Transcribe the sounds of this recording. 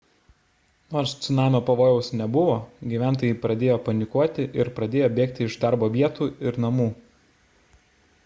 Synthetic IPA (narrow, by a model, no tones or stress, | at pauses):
noːɾst̪sʲʊnɑːmʲopɐʋoːjɛʊsnʲɛbʊʋoːɡʲiʋʲæˑnt̪̬oːjɛɪpɾɐd̪ʲeːjoːpɐnʲɪkuɔt̪ʲɪʔɪɾpɾɐd̪ʲeːjoːbʲeːk̚t̪ʲɪɪʒd̪ɑˑɾboːʋʲiɛt̪uːɪɾnɐmuː